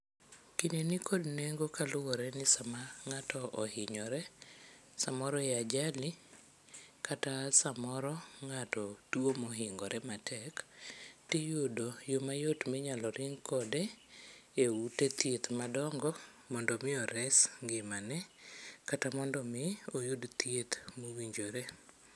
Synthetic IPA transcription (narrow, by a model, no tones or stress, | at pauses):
kinenikʰodneŋɡokalʊwɔɾɛnɪsamaŋatɔʔɔhɪɲɔɾɛ | samɔɾɔead͡ʒali | kʰatasamɔɾɔŋatɔdwomɔɦɪŋɡɔɾɛmatʰɛktijodojomajotmɪɲalɔɾʔɪŋkɔdɛ | ewutet̪jet̪madɔŋɡɔ | mɔndɔmɪɔɾɛsŋɡɪmanɛkatamɔndɔmɪojudt̪jet̪mowiɲd͡ʒoɾe